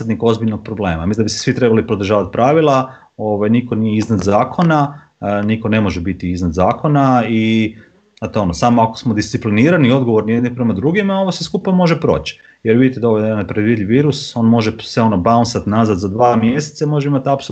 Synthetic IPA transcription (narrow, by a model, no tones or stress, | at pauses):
d̪niko̞zbiʎnoɡ̥̚pɾoble̞ːmamisʲnd̪abise̥sʋit̪ɾe̞balipɾod̪ɾ̩ʒaːʋat̪̚pɾaʋilˠa | o̞ʋajniko̞nijeiznad̪zaːkʰo̞na | niko̞ne̞mo̞ʒebit̪iiznad̪zaːko̞nai | at̪oo̞nosaːmoakosmod̪ist̪ipliniːɾanio̞d̪ɡoʋo̞ɾnijed̪nipɾe̞mad̪ɾuɡimao̞ʋoseskupamo̞ʒe̞pɾo̞̰ːt͡ɕi̥ | jeɾʋid̪it̪ed̪aoʋod̪anapɾd̪ʋiːd̪ʎʲiʋiːɾuso̞ːnmo̞ʒesʋeo̞nobaunsat̪nazat̪zad̪ʋaːmjeset̪samo̞ʒeimat̪apso